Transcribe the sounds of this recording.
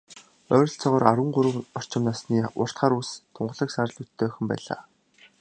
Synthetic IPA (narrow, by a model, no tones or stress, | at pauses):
œːɾʲɞ̆ɬt͡sɔʁɔːɾaɾwə̆ɴɢʊɾə̆wɔr̥t͡ɕɪ̆mnaːsniːʊr̥t̪χaːɾust̪ʰʊɴɢə̆ɮə̆ksaɾ̆ɮut̪ʰːeːxɵ̆mpæ̰ːɮa̰ː